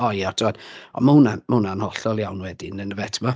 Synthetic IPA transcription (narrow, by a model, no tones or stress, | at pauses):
ɔjatʰɪwɛd̥ɔ̰mahunamunanhɔɬɔlˠjawnwɛdɪnənəvɛtʰəmɔ